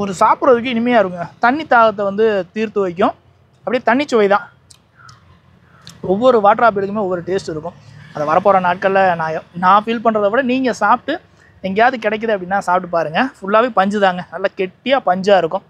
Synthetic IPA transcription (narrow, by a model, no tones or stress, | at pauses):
ɔɾɯsaːpɯɾɐðɯkːɯɪnɪmɐjaːɪɾɯkːʊŋɡɐt̪ɐɳːɪt̪ːaːɣɐt̪̬ːɐʋɐnd̪ɯt̪iːɾt̪ɯʋɐɪk̬ːʊ̃ | ɐpːɐɽit̪ɐɳːɪt͡ʃːɯʋɐɪðãː | ɔʋːɔɾɯʋaːʈːɐɾaːp̬ɪɽɯkːɯmeːɔʋːɔɾɯʈeːsʈɪɾɯkːʊ̃ɐðɐʋɐɾɐpːoːɾɐnaːʈ̚kɐɭːɐnaːjɐ̃nãːfiːlpɐɳːrɐðɐkuːɽɐniːŋɡɐsaːp̚ʈːɯ | ɛŋɡɐjaːðɯkɪɽɛk̬ːɐðɯɐpːɐɽɪnːaːsaːp̚ʈːɯpaːɾɯŋɡɐfʊɭːaːʋeːpɐɲd͡ʒɯðaːŋɡɐnɐlːaːkɛʈːɪjaːpɐɲd͡ʒaːɪɾɯkːʊ̃